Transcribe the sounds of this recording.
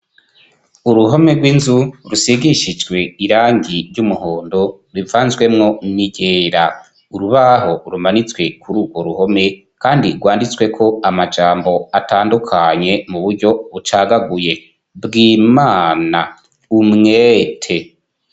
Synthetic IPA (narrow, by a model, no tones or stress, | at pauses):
uɾuɦo̞meɡwiːnzuɾusiɡiʃid͡ʒɡwe̞iɾaːŋiɾɟumuhoːndo | ɾivaːnzɡwe̞mŋo̞niɟeːɾa | uɾuβaɦo̞ɾumanit͡swe̞kʰuɾuːɡwo̞ɾuho̞me̞ | kaːndiɾɡwaːndit͡swe̞kʰo̞amad͡ʒaːmbo̞ataːndukʰaɲe̞muβuɾɟo̞βut͡ʃaɡaɡuje̞ | bɡiːmaːna | umŋeːtʰe̞